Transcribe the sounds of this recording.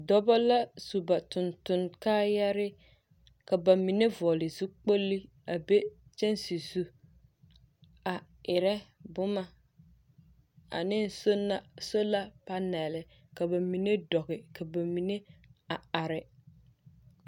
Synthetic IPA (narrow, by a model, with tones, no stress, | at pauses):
dɔ˦bɔ˦la˦su˨ba˨tʊ˨ntʊ˨nkaː˦ja˦ɾɪ˦ | ka˨ba˨mi˨ne˦vʊ˨ɔ˨lɪ˨zu˦k͡po˦lːi˦ | a˨be˦t͡ʃɛ˦nsi˨zu˦ | a˨ | ɪ˨ɾɛ˦bʊ˦ma˨ | a̰˨nɪ˦n˨˦so˦la˦pa˦nɛ˨lɪ˨ | ka˨ba˨mi˨ne˦dɔ˨ɣɪ˨ka˨ba˨mi˨ne˦a˨a˨ɾɪ˨